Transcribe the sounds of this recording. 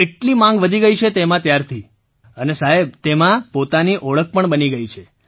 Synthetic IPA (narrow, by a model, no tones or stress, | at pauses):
eʈlimãŋɡʋəd̪ʱiɡəit͡ʃʰet̪emãt̪jaɾt̪ʰi | ənesaɦeb̚t̪emãpot̪aniʔɔɭək̚ʰpəɳbəniɡəit͡ʃʰe